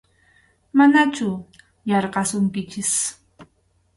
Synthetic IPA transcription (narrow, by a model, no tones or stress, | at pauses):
manat͡ʃʊ | jɑɾqɑsʊŋkɪt͡ʃɪs